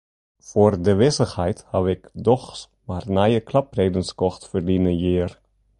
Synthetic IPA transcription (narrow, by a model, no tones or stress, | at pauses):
foːrdəʋɪsəxhɛjthɑwɪkdɔχs | maːrnajəklɑprejdənskɔxtfərdinəjɪːər